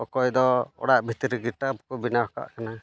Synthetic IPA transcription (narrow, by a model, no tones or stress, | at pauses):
ɔkɔjd̪ɔɔ̰ɽaʔbʱit̪iɾiɡiʈapkɔbinaɔka̰ʔkana